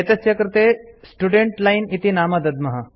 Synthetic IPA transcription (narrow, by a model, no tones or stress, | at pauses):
et̪ɐsjɐkɾɪt̪eːsʈuɖeɳʈlajnit̪inaːmɐd̪ɐd̪mɐɦɐ